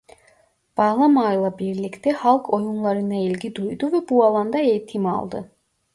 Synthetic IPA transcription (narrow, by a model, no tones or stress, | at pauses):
b̥aːlˠamajlˠabiɾlʲict̪ʰɛhalˠkʰo̞junlˠaɾɯnailʲɟid̪ujd̪uvɛbualˠand̪ae̞jit̪ʰima̰lˠd̪ɯ̰